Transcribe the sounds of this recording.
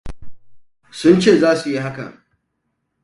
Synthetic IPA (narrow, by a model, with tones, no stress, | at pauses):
sʊ˦nt͡ʃeː˦˨zaː˦su˨ji˦ɦa˦kɐ̰˨ŋ